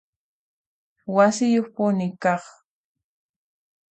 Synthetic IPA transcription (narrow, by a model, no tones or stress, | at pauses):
wasɪjoχpʊnɪkɑχ